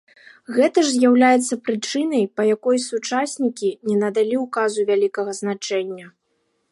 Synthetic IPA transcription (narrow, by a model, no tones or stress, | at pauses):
ɣɛt̪ɐʐzʲjawlʲajɛt̪sːɐpɾɨt͡ʂɨnɐjpɐjakɔjsut͡ʂasʲnʲikʲinʲɛnɐd̪alʲiukazuvʲalʲikɐɣɐznat͡ʂɛnʲːɐ